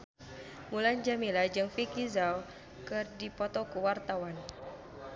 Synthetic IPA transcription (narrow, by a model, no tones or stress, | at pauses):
muland͡ʒamilad͡ʒɨŋfikizaw | kɨrdipɔt̪ɔkuwart̪awan